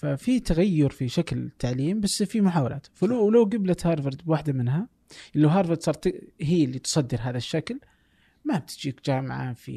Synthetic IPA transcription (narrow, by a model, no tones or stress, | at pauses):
fafit̪aɣajːʊɾfiʃaklt̪ʰːaʕliːmbasːfimʊħaːwala̰ːt̪falwlawɡablat̪hɑːɾˤvɪɾd̪bwaħd̪amɪnɦa | ʔɪlːawɦɑːɾˤvɪɾd̪sɑːɾˤt̪hiːlːit̪sˤɑd̪ːɪɾɦaːðaʃːakl | mab̚t̪ɪd͡ʒiːkd͡ʒaːmʕa̰fḭ